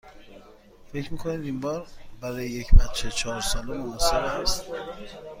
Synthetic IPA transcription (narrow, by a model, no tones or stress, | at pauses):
fe̞cʰɾmiːkʰoniːd̪imbɒːɾbæɾɒːjeje̞cʰbæt̪t͡ʃʰːet͡ʃʰɒːɾsɒːlemoæseɾeæst̪